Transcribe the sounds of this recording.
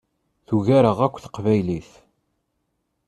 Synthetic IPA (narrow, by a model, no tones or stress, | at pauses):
θuʝaɾəʁækʷːθə̥qvæjliθ